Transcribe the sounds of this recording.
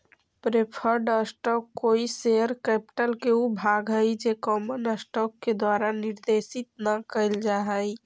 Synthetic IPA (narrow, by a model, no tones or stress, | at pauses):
pɾepʰəɾɖəsʈɔkːoiseəɾkepʈəlkeubʱaɡɦəjd͡ʒekɔmənəsʈɔkːed̪waɾaniɾd̪esit̪̚nəkəɪld͡ʒaɦəj